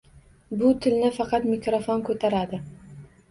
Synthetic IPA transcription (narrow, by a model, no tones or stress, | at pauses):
bʊt̪ʰɪlnɪfɑqɑt̪mɪkɾofonkʰɵt̪ʰaɾad̪ɪ